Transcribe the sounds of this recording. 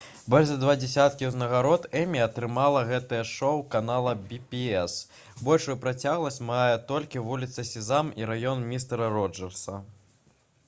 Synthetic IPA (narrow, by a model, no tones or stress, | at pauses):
bɔlʲʒzɐd̪vad͡zʲɛsʲat̪kʲiuznɐɣaɾɔt̪ɛmʲiɐt̪ɾɨmalˠɐɣɛt̪ɐjɛʂɔwkanalˠɐbʲipʲiɛs | bɔlʲʂujupɾat͡sʲaɣlˠɐsʲt͡sʲmajɛt̪ɔlʲkʲivulʲit̪sɐsʲizamiɾajɔnmʲist̪ɛɾɐɾɔd͡ʐɛrsɐ